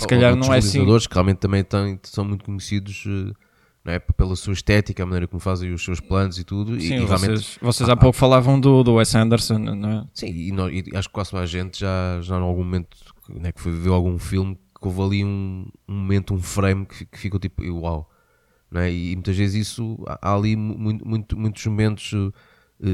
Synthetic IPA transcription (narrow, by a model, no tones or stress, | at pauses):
sɨkɐʎaɾnɐ̃w̃ɛlˠisĩɐðoɾʃkɨʁialˠmẽt̪ːɐmɐ̃j̃t̪ɐ̃j̃sɐ̃w̃mũj̃t̪ukuɲsiðuʃɛ | nɐ̃w̃ɛpelˠɐsuɐiʃt̪ɛt̪ikɐamɐnɐjɾɐkumfazẽj̃uʃsewʃplˠɐ̃nzit̪uðusiĩʁjalmẽẽʃvɔsezapokufɐlˠavɐ̃w̃d̪ud̪uwɛsɐ̃nd̪ɛɾsɐ̃nñw̃ɛsĩːnɔʃḭaʃu̥kːwazmajʒʒẽnt̪ʒ̥aʒaẽalˠɣũmumẽnt̪ũ̥ | w̃ɛkfojviveɾalˠɣũfilˠmkovɐlˠiũũmumẽnt̪ũfɾɐjmkikfikot̪̬ipuḭɣwalˠ | nw̃ɛiːmũt̪ɐʒvezzisua̰ʔa̰lˠimmũj̪̃mũj̃t̪umũj̃t̪u̥ʒmumẽnt̪u̥ʒ̥ɛ | ɛ